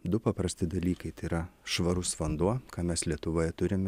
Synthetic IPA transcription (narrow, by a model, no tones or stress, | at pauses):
d̪ʊpɐpɾɐsʲt̪ʲɪd̪ɐlʲiːkɐɪt̪ɐɪiɾɐʃʋɐɾʊsʋɐnd̪uɔkɑːmʲɛslʲiɛt̪ʊʋoːjɛt̪ʊɾʲɪmʲ